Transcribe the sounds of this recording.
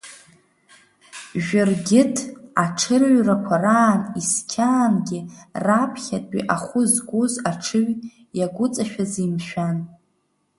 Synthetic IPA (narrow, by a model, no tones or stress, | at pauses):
ʒᶣʊrɡʲɪtʰaʈ͡ʂʰɨrɥrakʷʰaraːniskʲʰaːnɡʲɪrapʰχʲatʼḭʔaχʷʊzɡʷʼozaʈ͡ʂʰɨɥ | jaɡʷʊt͡sʼaʃᶣazimʃᶣan